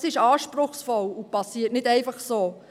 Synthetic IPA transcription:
sɪʃɑːʃpɾʊχsfɔlupɑsiːətnɪdɛɪfɑχsoː

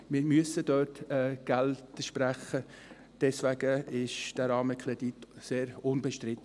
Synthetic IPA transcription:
mɪɾmyəsəd̥œɾtɛɡ̥æltəʃpɾæχə | d̥ɛsʋæɡ̥əɪʃd̥æɾɑːməkʰɾɛditseːɾʊnbɛʃtɾɪt

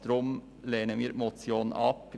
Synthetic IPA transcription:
t̪ɾɔm | leːnəmiɾmɔt̪sjonɑ̰p

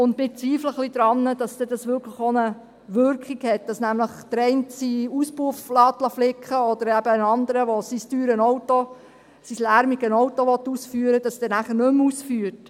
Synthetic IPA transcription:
ʊndmɪt͡sʋiːfləχlid̪ɾɑnːəd̥ɑsd̥̪ɛdɑsʋʏkʰləχonə | ʋʏɾkχikhɛt̚d̥ɑsnæmləχd̥əɾɛɪntsiuspuəflɑːt̪lɑflɪkχəɔd̥̪əɾæb̥əənɑnd̪əɾəʋosistyːɾənɔwto | sislæɾmiɡənɔʊtoʋɔtːuːsfyːəɾəd̥ɑsd̪ɛnæχəɾnɵmuːsfyːəɾt

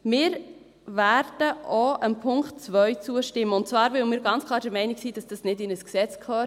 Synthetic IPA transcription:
mɪːɾ | væɾd̥əʔoʔəmpʰʊŋkt̚t͡svœʏt͡suəʃtɪmːəʊnt̚t͡svɑːɾvɪʊəmɪːɾɡɑnt͡skʰlˠɑːɾd̥ɛɾmɛɪnɪksiːd̥ɑsd̥ɑsnɪdɪnəsksɛt͡skʰlœː

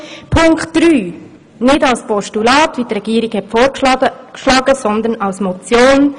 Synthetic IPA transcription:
pʰʊŋkχtd̥ɾyː | nɪdɑlspɔʃtulɑːtʋitrɛɡ̥iəɾɪɡ̥hɛtfoːɾkʃlɑːɡəsɔnd̪ənɑʊsmɔt͡sjoːn

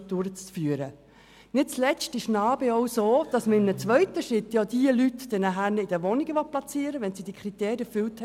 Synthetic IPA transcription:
d̪ʊɾət͡sːfyəɾə | nɪt̚t͡slɛstɪʃnɑːbeɔwsoːd̥ɑsməɪmənət͡sʋœʏtəʃɾɪt̪jɑd̥iəlytd̥ɛnæɦæɾnɪd̥əʋɔniɡəʋɔplɑt͡siːəɾəʋɛnsid̥ikʰɾit̪eːɾjəɾfʏlt

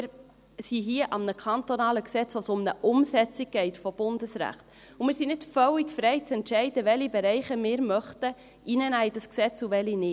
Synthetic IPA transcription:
ɪɾ | siɦiəʔɑmnəkʰɑntonɑːləksɛt͡sʋosʊmnəʔʊmsɛt͡siɡ̚ɡ̥ɛɪtfɔb̥ʊndəsɾæ̰χt | ʊmɪːɾsinɪtfœwikfɾɛɪt͡sɛntʃɛɪdəʋɛlibɛɾɛɪχəmɪːɾmœχtə | ʔinənæɪd̥ɑsksɛt͡suʋɛlinɪt

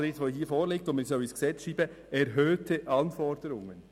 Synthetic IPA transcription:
eɪsʋoːɦiːfoːɾlɪk̚tʊnməsɑʊɪsksɛt͡sʃiːbə | ɛɾɦøːtʰəʔɑnfɔɾdəɾʊŋən

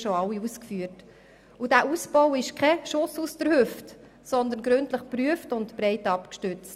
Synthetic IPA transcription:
ʃoɑwːiuskfyːət | udæːʔusbɔwɪʃkχɛʃʊsustəɾhʏft | sɔnd̪ənɡɾɵntləχpɾyəftʊntb̥ɾɛɪtɑpkʃtʏt͡st

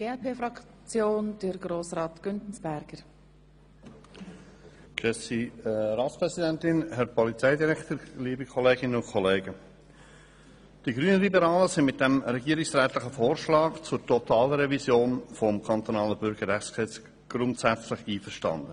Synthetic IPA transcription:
ɡ̥eːɛpʰeːfɾɑk | t͡sjoːnd̥əɾɡɾoːsɾɑːtɡ̥ʏntn̩sb̥æɾɡ̥əɾ | kɛsiɾɑːt̪spɾɛzidæntɪnɦɛɾpɔlit͡sɛɪdiɾɛkt̪əɾliːbikʰɔleːɡɪnənʊnkʰɔleːɡə | d̥iɡɾyːnəlibɛɾɑːləsɪ̃nmɪt̚d̥ɛmɾɛɡiːəɾɪksɾɛːt̪lɪχəfoːɾʃlɑːkt͡sʊɾtɔt̪ɑːləɾɛvisjoːnfɔmkʰɑnt̪onɑːləbʏɾɡ̥əɾɛχskɛt͡s | ɡ̥ɾʊntsæt͡slɪχiːfəɾʃtɑ̰nd̪ə

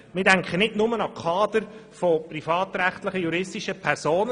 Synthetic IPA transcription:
mɪːdæŋkχənɪdnʊmənɑkʰɑːd̪əɾfɔprifɑːt̪ɾæχt̪ləχəjuɾɪstiʃəpʰɛɾsoːnə

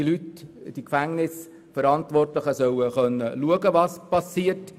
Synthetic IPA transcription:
ilytd̥ikfæŋnɪs | fəɾɑntʋɔrtləχəsœwəχœnːəluəɡəʋɑspɑsiət

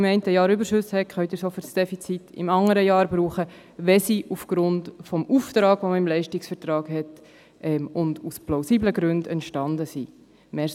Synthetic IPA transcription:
ɪmɛɪntəjɑːɾybəɾʃʏshɛkχœʏtdɪɾsɔfyɾsd̥ɛfit͡sitɪ̰mɑŋəɾəjɑːɾbɾuːχə | ʋɛsiʔufɡ̥ɾʊndfɔmuːftɾɑːɡ̥ʋoməɪmlɛɪʃtɪksfɛɾtɾɑːɡɦɛt | ʔɛmʊndusplaʊsiːbləɡɾʉndɛntʃtɑndəsi | mɛ

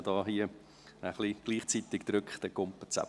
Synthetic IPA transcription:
d̥ɑːɦiə | əχliɡ̥liːχt͡sit̪ɪkd̪ɾʏkχt̪ɛkʊmpət͡sæ̰

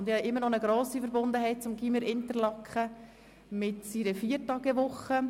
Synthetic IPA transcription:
ndɪhɑʔɪmːəɾnɔnəɡɾoːsifəɾbʊnd̪əɦɛɪt̚t͡sʊmɡiməɾʔɪntəɾlɑkχə | mɪtsiɾəfiːətɑɡəʋʊχə

